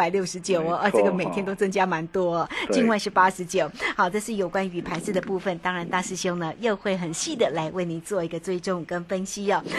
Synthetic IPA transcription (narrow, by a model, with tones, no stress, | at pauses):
a˨˩ɪljo˥˩ʊʂɻ̩˧˥t͡ɕjo˨˩ʊə˩˧˩tɤ˥˧˩ɡə˨me˨˩ɪt̪ʰjɛ˥nt̪o˥ʊt͡sə˥˧ŋt͡ɕja˥ma˧˥nt̪wɔ˥ə˨t͡ɕi˥˧nwa˥˧ɪʂɻ̩˥˧˩pa˥ʂɻ̩˧˥t͡ɕjo˨˩˦ʊxɑ˨˩ʊʈ͡ʂɤ˥˧ʂɻ̩˥˩jo˨˩ʊkwa˥ny˧˥pʰa˧˥ns̩˥˩d̪ə˩pu˥˩fə˨nt̪ɑ˥ŋɻa˧˥nt̪a˥˧ʂɻ̩˥˩ɕjo˥ŋnə˨jo˥˧ʊxwe˥˩ɪxə˨˩nɕi˥˩d̪ə˩la˧˥ɪwe˥˩ɪni˨˩t͡swɔ˥˩i˧˥ɡə˧t͡swe˥˧ɪʈ͡ʂʊ˥˩ŋkə˥nfə˥nɕi˥ə˨˩